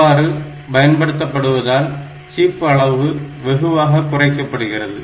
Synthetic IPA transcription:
aːɾɯ | pɐjɐnpɐɽɯt̪ːɐpːɐɽɯʋɐðaːl | t͡ʃiːpːɐɭɐʋɯʋɛɣɯʋaːɣɐkːʊrɐɪkːɐpːɐɽɯɣɪrɐðɯ

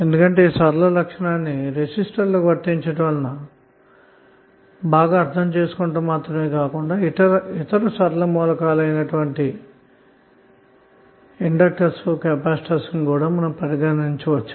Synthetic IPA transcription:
e̞nd̪ukɐɳʈe̞ːsɐɾlɐlɐkʂɐɳaːnːiɾesisʈɐɾloːʋɐɾʈːiɲt͡ʃɐʈʋɐːlɐnɐ | baːɡaːɾt̪ʰɐmt͡ʃe̞ːsu̥kuɳʈuːmaːt̪ɾɐme̞ːkaːkuɳɖaːit̪ɐit̪ɐɾusɐɾɐlɐmɔːlɐkaːlɐjnɐʈuʋɐɳʈi | iɳɖɐk̚ʈɐɾsukɛːpaːsʈɐɾsɐnkuːɽaːmɐnɐmpɐɾiɡɐniɲt͡ʃiʋɐt͡ʃːu̥

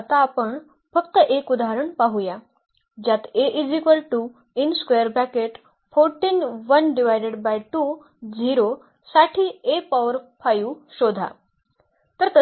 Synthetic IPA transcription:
at̪aːpəɳ | fəkt̪əʔekud̪aɦɾəɳpaɦuja | d͡ʑjat̪eʔid͡ʑikʋəlʈu | inskejəɾbɛkeʈ | foɾʈiːnʋənɖiʋajɖeɽbajʈu | d͡ʑiɾo | saʈʰiːepaʋəɾfajuːɕod̪ʱa̰ | t̪əɾt̪ə

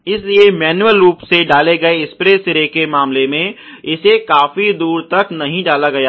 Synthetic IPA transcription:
ɪsliemɛːnuəlɾuːpseɖaːleɡɐeɪspɾesɪɾekemaːmlemẽɪsekaːfid̪uːɾt̪ɐknɐɦĩɖaːlaɡɐjaː

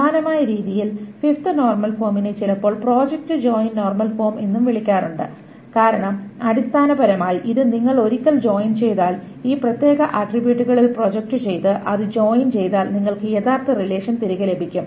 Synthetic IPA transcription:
aːnɐmaːjɐɾiːðijilfift̪ɨno̞ːrmɐlfo̞ːminɨt͡ɕilɐpːo̞ːɭpro̞ːd͡ʑɐk̚ʈɨd͡ʑo̞ːjinno̞ːrmɐlfo̞ːmenːumʋiɭikʲːaːruɳɖɨ̰ | kaːɾɐɳɐmɐɽist̪ʰaːnɐbɐɾɐmaːjʔiðɨniŋːɐɭo̞ɾikʲːɐld͡ʑo̞ːjint͡ɕe̞jt̪aːl | iːprɐt̪je̞ːɡɐʔɐʈribjuːʈːuɣɐɭilpro̞ːd͡ʑek̚ʈɨt͡ɕe̞jt̪ɨʔɐðɨd͡ʑo̞ːjint͡ɕe̞jt̪aːlniŋːɐɭkɨje̞ðaːrt̪ːɐrile̞ːʂɐnt̪iɾuɣɐle̞bʱikʲːum

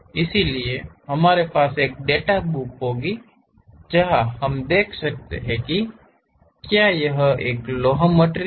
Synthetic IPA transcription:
ɪsilieɦɐmaːɾepaːseːk̚ɖeːʈabukɦoːɡi | d͡ʒɐɦahɐmd̪eːkʰsək̚t̪ḛɦɛ̃ki | kjaːjɐɦeːkloːɦəməʈɾ

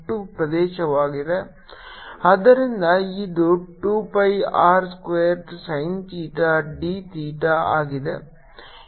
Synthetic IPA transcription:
ʈːupɾɐd̪eːʃɐʋaːɡid̪e | ɐd̪ɐɾind̪ɐid̪oʈːuːpɐjaːɾskʋeːɐɾʈsɐjnt̪iːʈaɖit̪iːʈaa̰ːɡid̪e

